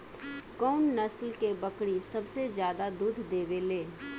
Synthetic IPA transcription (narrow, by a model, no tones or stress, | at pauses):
kɔːnːəslkebəkɽisɐbsezjaːd̪ad̪uːd̪ʱd̪eːbeleː